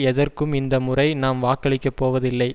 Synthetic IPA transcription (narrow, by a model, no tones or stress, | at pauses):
ɛðɐrkɯmɪnd̪ɐmʊrɐɪnaːmʋaːkːɐɭɪkːɐpːoːʋɐðɪlːɐɪ